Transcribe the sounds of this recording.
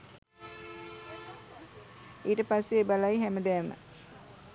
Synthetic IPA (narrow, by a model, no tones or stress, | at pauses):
iːʈəpasːeːbalajɦæməd̪ɛːmə̰